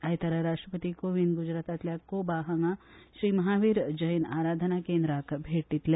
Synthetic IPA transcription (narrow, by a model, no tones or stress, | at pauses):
ajt̪aɾaɾaʃʈɾəpət̪ikoʋinɡud͡ʒɾaːt̪at̪lʲjakobaɦaŋaʃɾiːmɐɦaʋiːɾd͡ʒəjna̰ːɾad̪ʱənakeːnd̪ɾakbʱeʈit̪le